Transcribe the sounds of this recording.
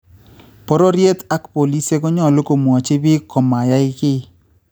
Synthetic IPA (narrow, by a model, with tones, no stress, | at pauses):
pɔ˦ɾɔ˦ɾje˦ta˦kpo˨li˦se˦ɡɔ˦ɲɔ˦˨lo˦ko˨mwɔ˨t͡ʃe˦bɪ˦kɔ˨ma˨ja˦ɪ˦kɪ˦